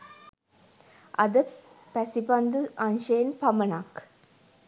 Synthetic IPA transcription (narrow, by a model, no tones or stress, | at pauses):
ʔɐ̰d̪ə | pæsipɐnd̪ɨʔɐnʃejnpɐmɐnaːk